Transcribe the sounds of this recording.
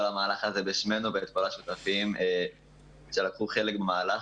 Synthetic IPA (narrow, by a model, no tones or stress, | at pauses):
olamaːlaχazebiʃmenubeːt̪̚kolaʃut̪afimʔe | ʃelakχuχe̞lekbemaːla